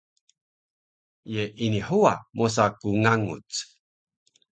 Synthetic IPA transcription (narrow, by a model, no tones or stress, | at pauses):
jeʔiniħuamos̬akuŋaŋṵt͡s